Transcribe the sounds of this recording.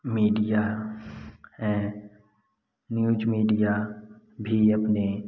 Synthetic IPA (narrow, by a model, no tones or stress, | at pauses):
miːɖija | ɦɛ̃ː | njuːd͡ʒmiːɖija | bʱiɐpne